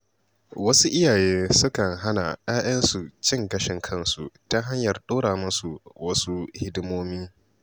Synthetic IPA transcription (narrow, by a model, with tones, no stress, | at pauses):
wɐ˦su˦ʔɪ˦jaː˨jeː˦sʊ˦kɐ˨ŋɦa˦na̰˨jaː˦ʔɐ˦nsu˨t͡ʃɪ˦˨ŋɡɐ˦ʃɪ˨ŋkʰɐ˦˨nsu˨ta˦ɦa˦ɲjɐ˨rɗoː˦ɽaː˨mʊ˦su˨wɐ˦su˦hɪ˦dmoː˦mi˦